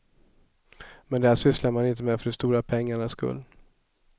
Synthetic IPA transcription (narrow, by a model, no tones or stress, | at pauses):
mɛnd̪ɛæːʂʏslaɾmanɪnt̪əmɛfœɖɛst̪uːɾapʰɛŋːaɳaskɵ̰lː